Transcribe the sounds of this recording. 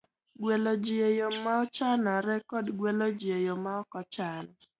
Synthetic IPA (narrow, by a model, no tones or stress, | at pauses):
ɡwelod͡ʒiejomaɔt͡ʃanaɾɛkɔdɡwelod͡ʒiejomaɔkɔt͡ʃan